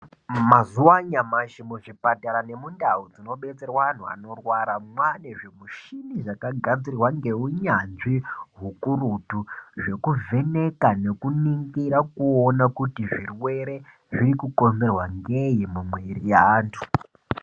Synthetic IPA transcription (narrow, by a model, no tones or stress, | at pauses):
mazuwaɲamaʃimoʐipataɾane̞mundaud͡zino̞ɓet͡serwan̤ua̰no̞rwaɾamwane̞ʐe̞muʃiniʐakaɡʱad͡zirwaŋɡe̞uɲanʐiɦukurutuʐe̞kuve̞ne̞kane̞kuniŋɡiɾakuonakutiʐirwe̞ɾe̞ | ʐiɾikuko̞nze̞rwaŋɡejimumweirijaːntʰu̥